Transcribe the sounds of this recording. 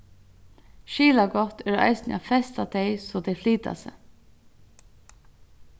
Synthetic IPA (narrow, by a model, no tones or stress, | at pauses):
ʃiːlaɡɔt̪ɛːɾɑ̰ɪsnɪ̰afɛst̪at̪ʰɛɪsɔt̪ɛɪfliːt̪a̰sə̰